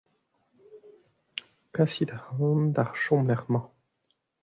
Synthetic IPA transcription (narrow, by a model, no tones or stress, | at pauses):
kasid̪aʁɑnd̪aʁʃɔ̃mlɛʁmɑ̃